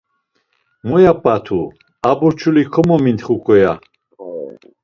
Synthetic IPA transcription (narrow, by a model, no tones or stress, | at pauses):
mɔjapʼat̪ʰu | abuɾt͡ʃʰulikʰɔmɔmint̪χukʼɔja